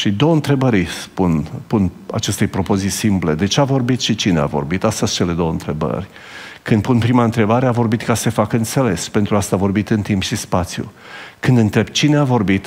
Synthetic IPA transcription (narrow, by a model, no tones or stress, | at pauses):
ʃid̪o̞wəɨnt̪ɾe̞bəɾʲspunpuna̰t͡ʃe̞st̪e̞jpɾo̞po̞zisimple̞d̪e̞t͡ʃeavo̞rbit̪ʃit͡ʃinea̰vo̞̰rbit̪ast̪əst͡ʃe̞le̞d̪o̞wəɨ̰nt̪ɾe̞bə̰rʲ | kɨnd̪̚punpɾimaɨnt̪ɾe̞baɾeavo̞rbit̪kase̞fakɨnt̪se̞le̞spe̞nt̪ɾuast̪avo̞rbit̪ɨnt̪impʃispat̪sjṵ | kɨnd̪ɨnt̪ɾe̞bt͡ʃineavo̞rbit̪